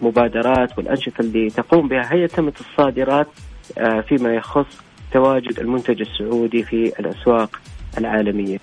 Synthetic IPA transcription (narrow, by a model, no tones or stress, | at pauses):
mʊbaːd̪ɑɾˤɑːt̪wɪlʔanʃɑt̪ˤlːit̪ɑquːmbɪhaɦɪjːat̪amat̪ɨsˤːɑːd̪ɪɾˤɑːt̪ | fimajɑxʊsˤː | t̪awaːd͡ʒʊd̪ɪlmʊnt̪ad͡ʒasːʊʕuːd̪ifiɪ̰lʔaswɑːqʔɪlʕaːlamɪjːa